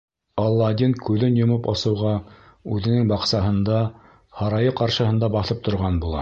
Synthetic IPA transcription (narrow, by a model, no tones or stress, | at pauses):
ɑlˠːɑɑd̪inkʉðɘnjŏmɤpɑ̰sɤ̆wʁɑ | ʉðɘ̆nɘŋbɑqsɑɦɤ̆nd̪ɑ | hɑɾɑjɤqɑɾʃɤ̆ɦɤ̆nd̪ɑbɑθɤp̚t̪ʰŏɾʁɑnbulˠɑ̰